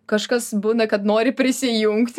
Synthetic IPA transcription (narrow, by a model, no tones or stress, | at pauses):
kɐʃkɐsbuːnɐkɐt̪noːɾʲɪpʲɾʲɪsʲɪjuŋkt̪ʲ